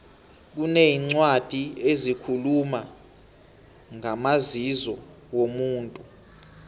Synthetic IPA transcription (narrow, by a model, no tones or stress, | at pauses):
k̬uneiŋ͡ǀwad̥ʱiezikʰuluma | ŋamazizɔ | womuːntʼu